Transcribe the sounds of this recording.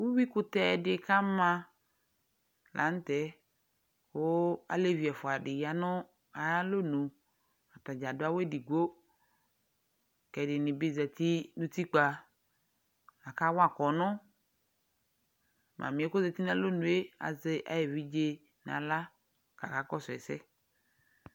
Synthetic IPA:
wu˦wi˦kʊ˦t̪ɛ˦˨dɪ˦˨˦ka˦mã˦ | lʔa̰˨˦n˦t̪ɛ˦ | wo˦a̰˨le˦vi˨ɛ˨fʊ˨a˨ɖɪ˨ja˨nʊ˦ | a˨ja˦lo˦nũ˨ | a˨ta˨d͡ʒa˨dʊ˦a˦we˦di˨ɡo˦ | kɛ˨dɪ˨nɪ̃˨bi˦zɛ˨t̪i˦nũ˦t̪i˦k͡pa˨ | a˨ka˦wa˨kɔ˨nʊ̃˦ | mʔã̰˨mĩ˨e˦kʊ˦ze˨t̪i˦n˦a˨lo˦nũ˨e˦a̰˨ze˦ʔa̰˦jɛ˨vi˦d͡ʒe˦ | nã̰˨la˦ | ka̰˨ka˨kɔ˦sʊ˨ɛ̰˨sɛ̰˦

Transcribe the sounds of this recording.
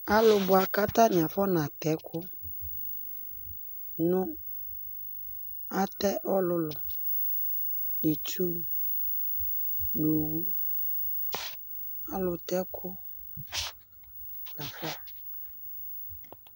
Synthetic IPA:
a˦lʊ˨bʊ˨a˨ka˦ta˦nɪ̃˨a˨fɔ˦nã˨tɛ˨˦kʰʊ˦ | nʊ̃˦ | a˦tɛ˦ʔɔ˦lʊ˨lʊ˨ | nɪ˨t͡ʃu˦ | no˨wu˦ | a˦lʊ˨tɛ˦kʰʊ˦ | la˨fɔ˦

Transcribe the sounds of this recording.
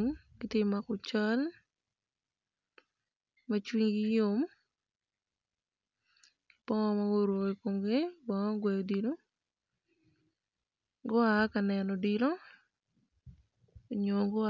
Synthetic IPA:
ŋ | ɡɪ˦tɪ˦ma˨kʊ˨t͡ʃa˦l | mat͡ʃwiŋɡɪjʊ˦m | pɔ˦ŋɔ˦maɡo˦ɾo˨ɡekomɡɪ˦ba˨ŋɔ˦ɡwɛjɔ˨diɾo˦ | ɡo˦a˦kanɛ˨nɔ˨diɾo˦ | o˨ɲoɡo˦a

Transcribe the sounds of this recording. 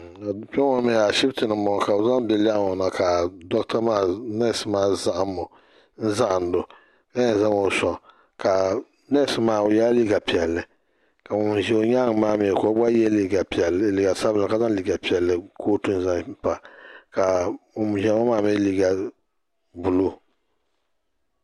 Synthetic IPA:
a˨pɛ˦ŋɔ˦mɛ˨˦a˨ʃɪ˦btɨ˨nɨ˨mɔ˨ka˨ʊ˨za˦mbɛ˨la˦˨ŋɔ˨na˨ka˨dɔ˦kta˦maː˦˨nɛ˦˨sɨ˨maː˦˨za˦ʔa˦mːʊ˨ | n̩˦za˦ʔn̩˨˦do˨ | ka˦ɲa˨za˦ŋo˨sɔ˨ | ka˨ | na˦˨sɨ˦maː˦˨ja˦li˦ɡa˨pi˨ɛ˨lːɨ˨ | ka˨mʊ˨m˨ʒɛ˦o˦ɲa˦ŋ˨maː˦mɛ˨kɔ˨˦ba˦jɛ˦li˦˨ɡa˨pɛ˨˦li˨ɡa˨sa˦bla˨ka˨˦za˦li˨ɡa˨pi˨ɛ˨lːɨ˨koː˦tu˦n˦za˦pa˨ka˨ʊ˨m˨ʒɛ˨˦ma˦maː˦˨mɛ˦li˦ɡa˨ | bu˨lo˦

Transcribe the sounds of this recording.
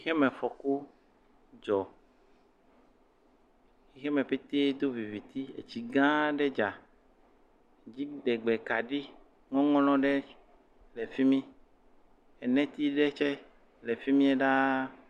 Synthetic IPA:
i˦xɛ˦mɛ̃˨fɔ˨ku˦ | d͡ʒɔ˨ | xi˦xɛ˦mɛ̃˨ɸe˦t̪e˦d̪o˦vi˨vi˨t̪i˦ḛ˨t͡ɕi˨ɡã˦ɖɛ˦d͡ʒa˨ | d͡ʑi˦ɖɛ˨ɡ͡bɛ˨ka˨ɖi˦ | ŋɔ̃˦ŋɔ̃˦lɔ̃˦ɖɛ˦ | lɛ˨fi˦mĩ˦ | ɛ˨nɛ̃˦t̪i˦ɖɛ˦t͡ʃɛ˦ | le˨fi˦mĩ˦ɛ˦ɖa˦

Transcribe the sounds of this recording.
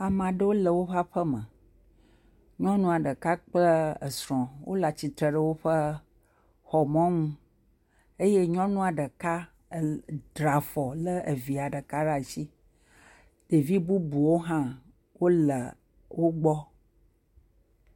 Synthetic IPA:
a˨m˨ã˨ɖə˦wo˦lə˨wo˦ɸa˦ɸə˦mə̰̃˨ | ɲɔ̃˦nũ˦a˨ɖə˨ka˦k͡plə˦ə̰˨sɾɔ̃˨wo˦la˨t͡ɕi˨t̪ɾə˨ɖə˨wo˦ɸə˦ | xɔ˨mɔ̃˦ŋũ˦ | e˦je˦ɲɔ̃˦nũ˦a˨ɖə˨ka˦˨ | dɾa˨fɔ˨lə˦e˨vi˨a˨ɖə˨ka˦ɖa˦˨t͡ɕi˦ | ɖ̥e˨vi˦bu˦bu˨wo˦ɦã˦ | wo˦lə˨ | wʔo˦ɡ͡bɔ˦

